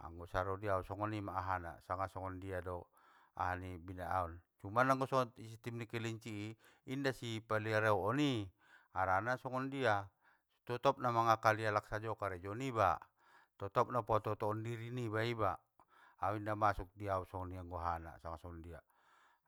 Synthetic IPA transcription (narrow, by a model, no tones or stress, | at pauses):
a̰ŋɡɔsaɾɔdiausɔŋɔnimaːɦana̰saŋasɔŋɔndiadɔ | a̰ɦanibinaaɔnt͡ʃumanaŋɡɔsɔŋɔisit̪imnikɛliɲt͡ʃiː | ndasipaliaɾeuɔni | aɾanasɔŋɔndia | t̪ɔt̪ɔp̚namaŋakalialaksad͡ʒɔkaɾɛd͡ʒɔniba̰ | t̪ɔt̪ɔp̚napɔt̪ɔt̪ɔːndiɾinibaiba | auindamasuk̚diausɔŋɔniaŋɡɔɦana̰saŋasɔŋɔndia